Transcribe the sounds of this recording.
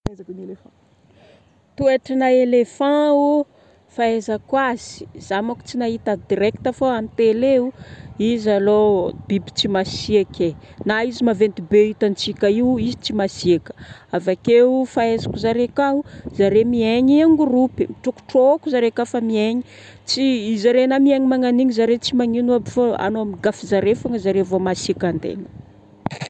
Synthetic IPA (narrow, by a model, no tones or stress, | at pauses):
ezakunelefã | t̪ueʈ͡ʂanaelefãu | faezakwaz̥i̥zamaku̥t͡sinaɦit̪ad̪iɾɛk̚t̪afoamit̪eleuizalob̥ibi̥t͡simasiakenaizimavent̪ibeit̪ant͡sikʲaiwizit͡simasiakə̥avakefaezakuzaɾekauzaɾemieɲiaŋɡurupimiʈ͡ʂuku̥ʈ͡ʂookuzaɾekafamieɲi | t͡siizaɾenamieŋimaŋaniɲizaɾet͡simaŋinuabifoa̰noamiɡafizaɾefaŋəzaɾevomasiakand̪ḛnə̥